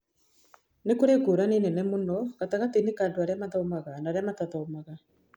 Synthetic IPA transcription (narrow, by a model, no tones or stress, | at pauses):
nekoɾeɡoɾanenɛnɛmonɔkataɣat̪enekandoaɾeamaðaomaɣanaːɾeamat̪aðɔomaɣa